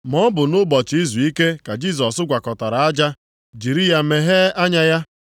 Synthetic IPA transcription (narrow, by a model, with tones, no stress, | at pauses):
mɔ˦bʊ˨nʊ˦bɔ˨t͡ʃi˦zu˨i˦ke˦ka˨d͡ʒi˦˨s̬ɔ˨sʊ˦ɡʷa˨kɔ˨ta˨ɾa˨a˦d͡ʒa˦ | d͡ʒi˨ɾi˦ja˦me˨ɦe˦a˦ɲa˦ja˦